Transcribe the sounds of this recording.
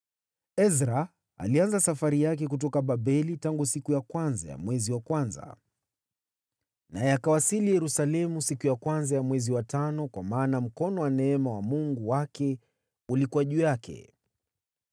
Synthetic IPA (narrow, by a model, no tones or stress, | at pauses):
ɛzɾa | a̰lianzasafaɾijak̬ɛk̬ut̬ɔkaɓaɓɛlitaŋɡusikujakwanzaja̰mwɛziwakwanza̰ | najɛakawasilijɛɾusalɛmusikujakwanzajamwɛziwatanɔkwamaːnam̩kɔnɔwanɛɛmawamuŋɡuwakɛ | ulikuaʄujakʰɛ̰